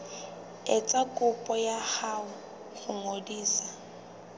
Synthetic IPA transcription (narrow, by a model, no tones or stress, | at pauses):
ɛt͡sʼakʼʊpʼɔjaχaʊ | ɣʊŋodiːsa